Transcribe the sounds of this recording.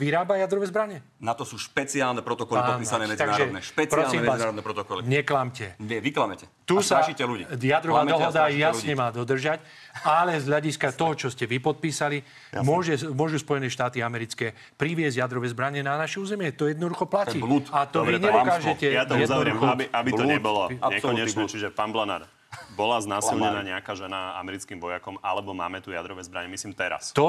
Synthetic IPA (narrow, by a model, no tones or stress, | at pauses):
ʋiɾaːbajad̪ɾɔʋɛːzbɾaɲɛ | nat̪ɔsuːʃpɛt͡siaːlnɛpɾɔt̪ɔkɔliaɔnpiɔsanɛːmɛt̪aɡ̪aːʒɛɛʃpɛt͡spɾɔalsiɛɛaːaɾɔd̪ɛpɾɔt̪ɔkɔliɲɛklamcɛʋɛʋiklamɛcɛ | t̪usaʃicɛluḭjad̪ɾɔaːmd̪ɔɦɔd̪ajasɲɛmaːd̪ɔd̪r̩ʒac | alɛzɦlʎaɟiskat̪ɔɦɔt͡ʃɔscɛʋipɔt̪̚piːsali | mʊɔʒɛmʊɔʒuspɔjɛnɛːʃt̪aːt̪iamɛɾit͡skɛː | pɾiʋɪɛzɟjad̪ɾɔʋɛːzbɾaɲɛnanaʃɛuːzɛmɪɛt̪ɔjɛd̪nɔd̪uxɔplaciːat̪ɔʋiɲɛd̪ɔkaːʒɛcɛjat̪jɛd̪zaɾd̪ɛmababiɔɲɛbɔlɔɲɛkɔɲɛt͡ʃɲɛt͡ʃiʒɛpanblana̰ɾ | bɔlaznasilˠɲɛnaːɲɛakaʒɛnaa̰mɛɾit͡skimʋɔjakɔmʔa̰lɛbɔma̰ːmɛt̪uja̰d̪ɾɔʋɛzbɾa̰ɲɛmisliːmt̪ɛɾa̰st̪ɔ